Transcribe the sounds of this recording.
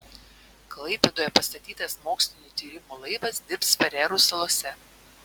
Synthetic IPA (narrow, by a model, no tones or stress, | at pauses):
klˠɐɪpʲed̪oːjɛpɐst̪ɐt̪ʲiːt̪ɐsmoːksʲlʲɪnʲuːt̪ʲiːɾʲɪmuːlˠɐɪʋɐsd̪ʲɪɾpsfɐɾʲɛːɾuːsɐlˠoːsʲɛ